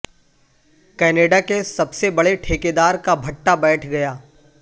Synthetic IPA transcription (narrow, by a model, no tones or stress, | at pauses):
kɛːneːɖakesɐbsebɐɽeʈʰeːked̪aːɾkabʱɐʈːabɛːʈʰɡɐjaː